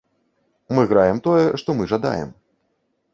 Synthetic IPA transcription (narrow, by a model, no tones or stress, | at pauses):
mɨɣɾajɛmt̪ɔjɛʂt̪ɔmɨʐad̪a̰jɛ̰m